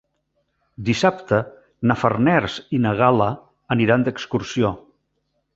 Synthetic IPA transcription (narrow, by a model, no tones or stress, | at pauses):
d̪isapt̪ə | nəfərnɛɾzinəɣ̞alə | əniɾand̪əkskuɾsio